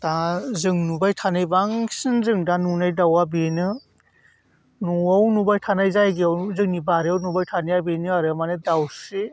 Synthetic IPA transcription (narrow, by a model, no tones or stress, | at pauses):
tazɯŋnubajtʰanɯjbaŋsɯnzɯŋdanunajdawabenɯ | nuawnubajtʰanajzajɡiawzɯŋnibaɾiawnubajtʰanɯjabinɯaɾɯmanɯdawsi